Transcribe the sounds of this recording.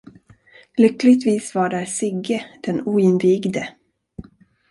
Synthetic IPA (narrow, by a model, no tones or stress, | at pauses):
lʏkːlɪɡt̪viːsvaɖæɾsɪɡəd̪̥ɛnuːɪnviːɡd̪ə